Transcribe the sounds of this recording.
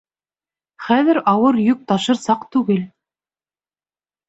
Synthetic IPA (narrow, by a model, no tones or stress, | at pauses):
χæðɘ̆ɾɑwɤɾjʉk̚t̪ɑʃɤ̆ɾsɑqt̪ʉɡɘl